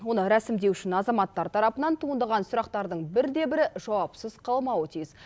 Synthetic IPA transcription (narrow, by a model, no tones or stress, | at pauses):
wo̞nəɾæsɪmd̪e̞wʏʃɪnɑzɑmɑt̪ːɑɾt̪ʰɑɾɑpənɑnt̪ʰuənd̪ɑʁɑnsʊɾɑq̚t̪ɑɾd̪əɴbɪɾd̪e̞bɪɾɪʒɑwɑpsəz̥qʰɑlˠmɑwət̪ʰijz